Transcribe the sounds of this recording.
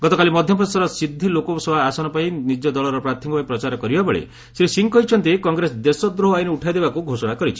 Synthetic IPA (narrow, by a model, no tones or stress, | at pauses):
ɡɔt̪ɔkalimɔd̪ʱjɔpɾɔesɔɾɔsid̪ʱːilokɔsɔbaːsɔnɔpaĩnid͡ʒɔd̪ɔlɔɾɔpɾat̪ʰːimɔpaĩpɾɔt͡ʃaɾɔkɔɾibabɔɭḛ | seɾisiŋkɔɦit͡ʃʰɔnt̪ekɔŋɡɾesɔd̪esɔd̪ɾoɦɔajneuʈʰajd̪ebakuɡʱosɔɽ̃akɔɾit͡ʃʰi̥